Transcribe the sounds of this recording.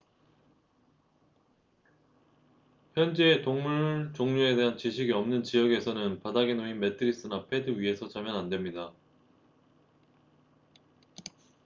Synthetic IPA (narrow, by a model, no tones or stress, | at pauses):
çjʌnd͡ʑe̞ːtoŋmuɭt͡ɕoŋɲue̞de̞ɦant͡ɕiɕʰiɡiʌmnɯnt͡ɕijʌɡe̞sʰʌnɯnpadaɡenoinme̞tʰɯɾis͈ɯnapʰe̞dɯɥie̞sʰʌt͡ɕamjʌnandwe̞mɲida